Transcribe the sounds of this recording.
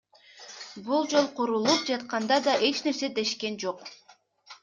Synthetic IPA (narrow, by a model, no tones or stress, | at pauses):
bulˠd͡ʒo̞lˠqʰuɾulˠup̚d͡ʒɑt̪qɑnd̪ɑd̪ɑʔe̞t͡ʃne̞ɾse̞d̪e̞ʃke̞nd͡ʒoq